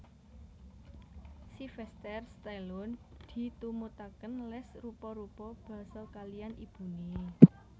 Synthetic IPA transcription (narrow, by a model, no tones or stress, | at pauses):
sifɛst̪ɛrst̪ɛlʊnd̪̥i̤t̪umut̪akənlɛsrupɔɾupɔb̥ä̤salkalijanib̥ṳne